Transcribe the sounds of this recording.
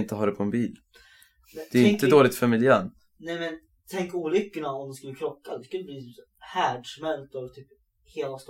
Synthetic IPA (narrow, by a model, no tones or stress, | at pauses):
ɪnt̪əɦɑːɾɛpʰɔɛnbiːl | ɛ̥ɛːɾɪŋt̪əd̪oːlɪɡ̚t̪fœmɪljæːɳ | nɛmɛn | t̪ʰɛŋkuːlʏkːəɳaɔmd̪ɛskɵlːəkʰɾɔkːad̪ɛskɵlːəbliːt̪yːp | hæːɖʂmɛlt̪ɔvt̪ʰyːp | heːlast̪